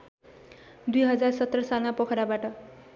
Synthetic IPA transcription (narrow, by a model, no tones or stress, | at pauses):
d̪ujɦʌd͡zarsʌt̪ːrʌsalmapʌkʰɾabaʈʌ